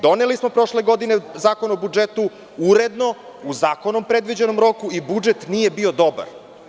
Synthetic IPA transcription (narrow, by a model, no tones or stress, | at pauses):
d̪o̞nelismo̞pɾo̞ʃle̞ɡo̞d̪inezaːko̞naobud͡ʒet̪u | uɾed̪no̞uzaːko̞nompɾe̞d̪ʋid͡ʑe̞no̞mɾo̞kuibud͡ʒet̪nije̞biod̪o̞ba̰ɾ